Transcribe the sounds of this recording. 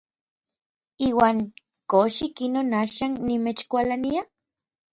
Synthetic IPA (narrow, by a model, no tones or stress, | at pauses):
iːwaːŋ | koʃikinoːnaːʃaːnːimet͡ʃkʷalania